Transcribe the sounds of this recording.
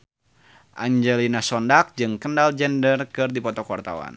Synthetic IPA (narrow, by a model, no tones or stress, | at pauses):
ʔa̰ɲd͡ʒɛlinasɔndak̚d͡ʒɨŋkəndald͡ʒɛndərkɨrdipɔt̪ɔkwart̪a̰wa̰n